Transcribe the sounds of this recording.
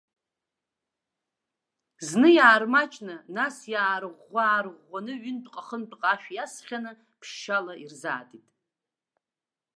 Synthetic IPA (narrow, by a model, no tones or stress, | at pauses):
znɨjaːrmat͡ʃʼnɨnasjaːɾʁʷaːrʁʷːanɨɥʏntqʼaχənt͡pʼqʼaʃᶣjasχʲanɨ | pʰʃːalairza̰ːtʼitʼ